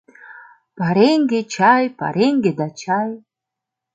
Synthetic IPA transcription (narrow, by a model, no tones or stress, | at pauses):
pʰaɾeŋɡet͡ʃʰajpʰa̰ɾeŋɡed̪at͡ʃʰaj